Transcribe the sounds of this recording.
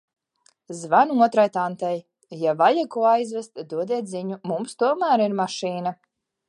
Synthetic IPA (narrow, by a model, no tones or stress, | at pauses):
zvanuɔt̪ɾajt̪ant̪ɛj | javajakuɔajzvɛst̪d̪uɔd̪iɛt̪ziɲumumst̪uɔmæːɾiɾmaʃiːna